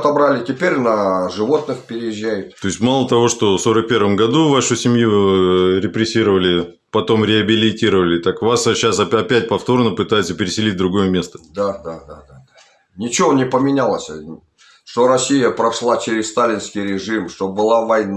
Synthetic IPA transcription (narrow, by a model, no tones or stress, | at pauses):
t̪ɐbɾalʲɪtʲɪpʲeɾʲnəʐɨvo̞t̪nɨxpʲɪɾʲɪjɪʒːæjʊt̪t̪o̞ɪsʲtʲmalˠət̪ɐvo̞ʂt̪o̞so̞ɾək̚pʲe̞rvəmɡɐd̪uvaʂʊsʲɪmʲjuɾʲɪpɾʲɪsʲiɾəvəlʲɪ | pɐt̪o̞mɾʲɪɐbʲɪlʲɪtʲiɾəvəlʲɪt̪akvasɕːasɐɐpʲæt̚ʲpɐft̪o̞rnəpɨt̪ajɪt̪səpʲɪɾʲɪsʲɪlʲit̚ʲd̪ɾʊɡo̞jəmʲe̞st̪ə̥d̪ad̪ad̪ad̪aa | nʲɪt͡ɕɪvonʲɪpəmʲɪnʲalˠəsʲ | ʂt̪o̞ɾɐsʲijəpɾɐʂlˠat͡ɕeɾʲɪzst̪alʲɪnskʲɪjɾʲɪʐɨmʂt̪obɨlˠavɐjn